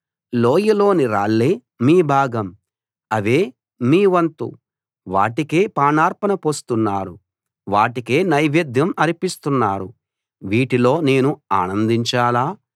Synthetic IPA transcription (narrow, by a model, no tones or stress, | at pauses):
loːjilo̞ːniɾa̰ːɭːeː | miːbʱaːɡɐm | ɐʋe̞ː | miːʋɐnt̪ṵ | ʋa̰ːʈike̞ːpaːnaːɾpɐnɐpost̪unːaːɾṵ | ʋaːʈikeːnɐjʋed̪jɐmɐɾipist̪unːaːɾṵ | ʋiːʈilo̞ːne̞ːnuaːnɐnd̪iɲt͡ʃaːlaː